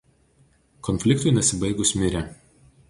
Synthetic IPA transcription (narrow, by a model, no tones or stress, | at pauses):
kɔnʲfʲlʲɪkt̪ʊɪnʲɛsʲɪbɐɪɡʊsʲmʲɪɾʲɛˑ